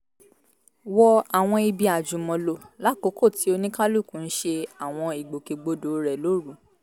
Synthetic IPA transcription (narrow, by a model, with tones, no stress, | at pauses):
wɔ˧a˨w̃ɔ̃˧i˧bi˧a˨d͡ʒũ˨mɔ̃˨˧lo˧la˨˦ko˨˦ko˦˨ti˨˦o˧nĩ˦ka˦lu˦˨kũ˨˦n̩˦ʃe˧a˨w̃ɔ̃˧i˨ɡ͡bo˨ke˨ɡ͡bo˧˦do˨ɾɛ˨lo˦ɾu˨˦